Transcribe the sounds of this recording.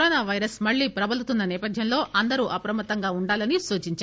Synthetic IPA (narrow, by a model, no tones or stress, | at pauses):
ɾoːnaːʋɐjɾɐsmɐɭːiːpɾɐbɐlut̪unːɐnɛːpɐd̪ʱjɐmlo̞ːʔɐnd̪ɐɾuʔɐpɐɾɐmɐt̪ːɐŋɡaːuɳɖaːlɐnisuːt͡ʃiɲt͡ʃa